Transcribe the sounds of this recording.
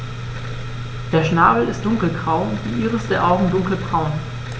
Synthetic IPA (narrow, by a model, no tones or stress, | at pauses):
d̥eːɐʃnaːbl̩ɪstd̥ʊŋkl̩ɡʁaʊʊntd̥iːʔiːʁəsd̥eːɐʔaʊɡŋ̩dʊŋkl̩bʁaʊn